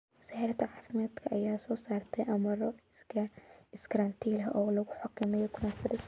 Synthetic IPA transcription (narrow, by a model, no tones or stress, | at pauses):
saːɾɐt̪ɐʕaːfɪmaːd̪kʰɐʔɐjaːsɔːsaːrt̪ʰɛjʔɐmɐɾɔ | ɪskɾɐnt̪ʰilɦɐ̰ʔɔːlɐɣʊħɑkʰɪmɛjɔkʰʊɾɔnfɪd̪ɪs